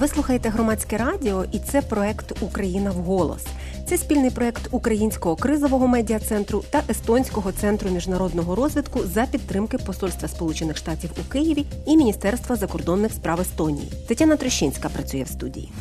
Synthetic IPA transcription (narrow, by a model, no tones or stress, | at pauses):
ʋɪslˠuxɐjet̪ɛɦɾɔmɑt͡sʲkɛɾɑdʲɪɔʔit̪sɛpɾɔɛkt̪ukɾɐjinɐwɦɔlˠɔ̰s | t̪sɛsʲpʲilʲnɪjpɾɔɛkt̪ukɾɐjinʲsʲkɔɦɔkɾɪzɔʋɔɦɔmɛdʲiɐt̪sɛnt̪ɾʊt̪ɐʔest̪ɔnʲsʲkɔɦɔt̪sɛnt̪ɾʊmʲiʒnɐɾɔd̪nɔɦɔɾɔzʲʋʲid̪kʊzɐpʲid̪t̪ːɾɪmkɪpɔsɔlʲst̪ʋɐspɔlˠut͡ʃenɪxʃt̪ɑtʲiwukɪjɪʋʲi | imʲinʲist̪ɛrst̪ʋɐzɐkɔrd̪ɔnːɪxspɾɑʋest̪ɔnʲḭjḭt̪ɪtʲanɐt̪ɾɪʃːinʲsʲkɐpɾɐt͡sʲujɛ̰wst̪udʲḭjḭ